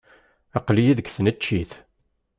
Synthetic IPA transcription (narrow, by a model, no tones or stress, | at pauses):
ɑqlijiðəɡθənæt͡ʃːiθ